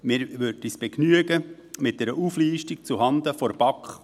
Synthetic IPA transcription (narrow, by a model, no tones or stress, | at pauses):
mɪɾʋʏrdisb̥ɛknyəɡə | mɪt̚d̥ɛɾəʔuːfliːʃtik̚t͡suɦɑnd̪əfɔɾb̥ɑkχ